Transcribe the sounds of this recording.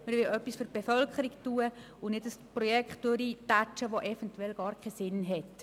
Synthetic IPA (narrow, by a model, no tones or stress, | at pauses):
məɾʋɪlœpːisfyɾb̥efœlkχəɾiɡtuːə | ʊnɪdəsprɔjɛkχtdʊɾitat͡ʃəʋoʔɛfɛntwɛlɡ̥ɑːɾkχɛsɪnɦɛt